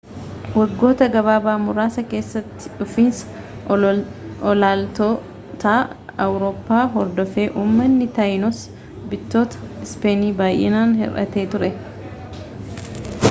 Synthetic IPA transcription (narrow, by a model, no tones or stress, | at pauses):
wɐɡːo̞ːt̪ɐɡɐβaːbaːmʊɾaːsɐke̞ːsːɐt̪ːɪ̥ᶑʊfiːnsɐ̥ | ɔlaːlt̪o | t̪aːɐwɾoːpːaːɦɔɾd̪ɔfe̞ːʔuːmːɐnːɪt̪ɐjnɔs | bɪt̪ːo̞ːt̪ɐ̥ɪspe̞ːniːbaːjʔɛ̰naːnhɛ̰rʔɐ̰t̪e̞ːt̪ʊɾɛ